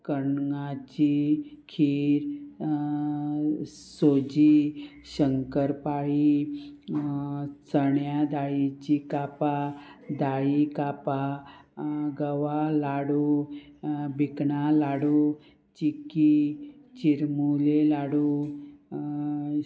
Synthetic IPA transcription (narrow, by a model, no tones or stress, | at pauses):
kəɳŋat͡ɕikʰiɾ | sod͡ʑi | ɕəŋkəɾpaji | t͡səɳjad̪aɭit͡ɕikapad̪aikapa | ɡəʋalaɽu | bikɳalaɽu | t͡ɕikit͡ɕiɾmulelaɽu